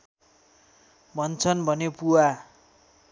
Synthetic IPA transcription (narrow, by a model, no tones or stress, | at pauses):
bʱʌnt͡sʰʌnbʱʌnepuwa